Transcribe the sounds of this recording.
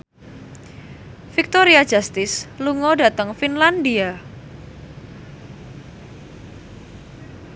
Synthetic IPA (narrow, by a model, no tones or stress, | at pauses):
fik̚t̪oɾiad̥d͡ʒast̪ɪsluŋɔdat̪əŋfinlandia